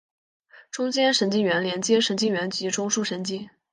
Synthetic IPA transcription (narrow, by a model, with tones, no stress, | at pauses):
ʈ͡ʂʊ˥ŋt͡ɕjɛ˥nʂə˧˥nt͡ɕi˥˩ŋɥɛ˧˥nljɛ˧˥nt͡ɕjɛ˥ʂə˧˥nt͡ɕi˥˩ŋɥɛ˧˥nt͡ɕi˧˥ʈ͡ʂʊ˥ŋʂu˥˩ʂə˧˥nt͡ɕi˥